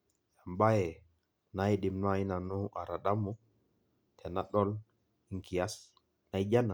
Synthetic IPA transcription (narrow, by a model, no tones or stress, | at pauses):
jambajɛ | najɗimnainanuʔa̰ɾaɗamɔ | tʰɛnaɗɔl | iŋkijas | najd͡ʒana